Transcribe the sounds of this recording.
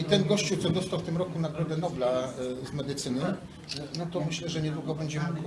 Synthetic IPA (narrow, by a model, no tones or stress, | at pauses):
it̪ɛnɡɔɕt͡ɕuwt̪sɔd̪ɔst̪awft̪ɘmɾɔkunaɡɾɔd̪ɛnɔblazmɛd̪ɘt̪sɘnɘ | nɔt̪ɔmɘɕlɛʐɛɲɛd̪wuɡɔbɛɲd͡ʑɛmuk